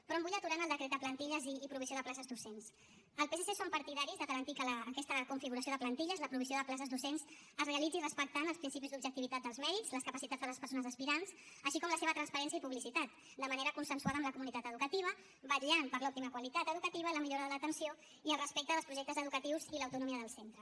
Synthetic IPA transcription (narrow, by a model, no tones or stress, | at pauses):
pɾɔmbuʎət̪uɾanəlˠd̪əkɾet̪̚d̪əplənt̪iʎəziːpɾuβisioð̞əplasəzd̪usens | əlˠpesesesompəɾt̪iðaɾizðəɣəɾənt̪ikələːkɛst̪əkuɱfiɣuɾɐsioðəplənt̪iʎəzləpɾuβ̞isijoðəplas̬əzd̪usens | əzreəlid͡zirəspək̚t̪anəlspɾinsipizd̪ubʒək̚t̪iβit̪at̪̚d̪əlˠzmɛɾizləskəpɐsit̪ad͡zðələspəɾsonəzəspiɾans | əʃikɔmləseβət̪ɾənspəɾɛnsiəipuβlisit̪at̪̚ | d̪əməneɾəkunsənswaðəmləkumunit̪at̪əðukət̪iβ̞ə | bəɾianpəɾlɔp̚t̪iməkwalit̪at̪əðukət̪iβ̞ələmiʎoɾəðələt̪ənsio | iəlˠrəspek̚t̪əðəlspɾuʒɛk̚t̪əzəðukət̪iwziləwt̪unumiəðəlˠsent̪ɾə